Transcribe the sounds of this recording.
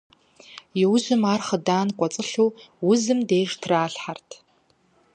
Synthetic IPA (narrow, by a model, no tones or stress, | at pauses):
jɛwʑɪmaːrχədaːnqʷʼɔt͡sʼɨɬuːwʊzɨmdeːʒtʰraːɬħartʰ